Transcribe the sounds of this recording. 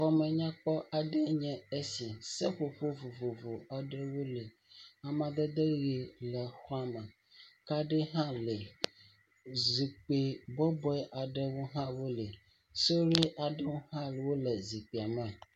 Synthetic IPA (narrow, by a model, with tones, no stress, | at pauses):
xɔ˨mɛ̃˨ɲã˦k͡pɔ˦ʔa˨ɖɛ˦ɲɛ̃˨e˦si˨sɛ˦ɸo˨ɸo˦vo˨vo˨vo˨a˨ɖɛ˦wo˦le˨ | a˨mã˨d̪e˦d̪e˦ɣe˨lɛ˨xɔ˦a˦mɛ̃˨ | ka˦ɖe˦ɦã˦le˨ | zi˨k͡pe˨bɔ˦bɔ˦ɛ˦ʔa˨ɖɛ˦wo˦ɦã˦wo˦le˨ | so˦wɾe˦ʔa˨ɖɛ˦wo˦hã˦lwo˦lɛ˨zi˨k͡pi˨a˨mɛ̃˨